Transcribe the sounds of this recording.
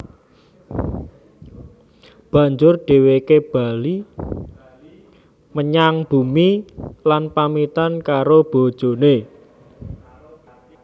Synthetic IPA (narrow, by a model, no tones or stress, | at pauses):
b̥ä̤ɲd͡ʒʊrɖ̥e̤wekeb̥a̤li | məɲaŋb̥umilanpamit̪ankaɾob̥o̤d̥ʒ̥o̤ne